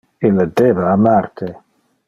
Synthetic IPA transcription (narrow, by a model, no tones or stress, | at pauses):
ilːad̪eːbaːmart̪ʰe